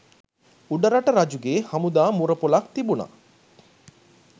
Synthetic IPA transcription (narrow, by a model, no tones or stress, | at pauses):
uɖəɾaʈəɾad͡ʒuɡeːhamud̪aːmuɾəpolak̚t̪ibuna̰